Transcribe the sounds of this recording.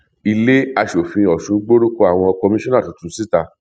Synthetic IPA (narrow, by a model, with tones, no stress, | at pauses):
i˧le˦a˧ʃo˨fĩ˧ɔ˨ʃũ˨˦ɡ͡bo˦ɾu˦ko˦a˨w̃ɔ̃˧ɔ˧kɔ˧mĩ˦ʃɔ̃˦nã˦˨tũ˨˦tũ˨˧˦si˦˨ta˧